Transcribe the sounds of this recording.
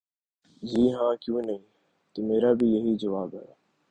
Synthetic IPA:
d͡ʒiːɦãːkjũːnəĩː | t̪əmeːɾaːbɪjəɦiːd͡ʒəʋaːbɦɛː

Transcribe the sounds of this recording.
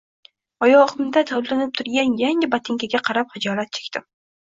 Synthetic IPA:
ɒjɒʁɨmd̪at̪ʰalanɪp̚t̪ʰʊɾɡʲanjaŋɪbat̪ʰɪŋkʲʰaɡʲaqʰɑɾap̚χɪd͡ʒɒlˠat̪̚t͡ʃʰekʲt̪ʰɪm

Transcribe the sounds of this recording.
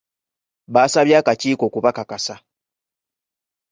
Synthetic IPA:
βaːsaβjaːkaciːko̞ːkuβakakasa

